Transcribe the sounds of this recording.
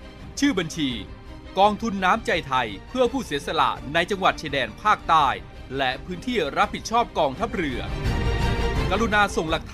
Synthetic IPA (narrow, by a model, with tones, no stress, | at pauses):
t͡ɕʰɯː˥˩ba˧nt͡ɕʰiː˧ | kɔː˧ŋt̪ʰu˧nːaː˦˥mt͡ɕa˧jt̪ʰa˧jpʰɯ˥˩ɐpʰuː˥˩siː˩˦əsa˧la̰˨˩ʔna˧jt͡ɕa˧ŋwa˨˩t̪̚t͡ɕiː˧dɛː˧npʰaː˥˩k̚t̪aː˥˩j | lɛ˦˥ʔpʰɯː˦˥nt̪ʰiː˥˩ɾa˦˥p̚ːi˨˩t̪̚t͡ɕʰɔː˥˩p̚kɔː˧ŋt̪ʰa˦˥p̚ɾɯ˧˩ɐ | ka˧ɾu˧naː˧so˨˩ŋla˨˩k̚t̪ʰ